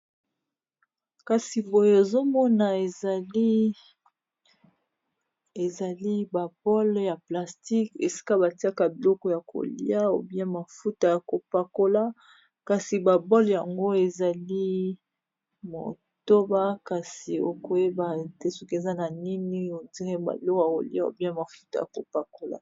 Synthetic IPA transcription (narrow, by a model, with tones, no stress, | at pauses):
ka˨si˨bo˨je˦e˨zo˦mɔ˦na˨e˨l | e˨za˨li˦ba˨bɔ˦lja˨pla˨sti˦ke˨si̥˦ka˦ba˨ti˦a˦ka˨bi˨lɔ˦kɔ˦ja˨kʰo̰˨lḭ˦a˦o̰˨bi˦a˦ma˨fu˦ta˦˨ja˨ko˨pa˨ko˦la˦ | ka˨si˨ba˨bɔ˦lja˨ŋɡo˦e˨za˨li˦ | mo̰˨ | to˦ba˦ka˨si˨o˦ko˨je˦ba˨te˦so˦ke˨za˦na˨ni˦ni˦o˨ti˦ʁɛ˦ba̰˨˦ɔ˦ka˨ko̰˨li˦a˦o̰˨bi˦a˦ma˨fu˦ta˨ja˨ko˨pa˨ko˦la̰˨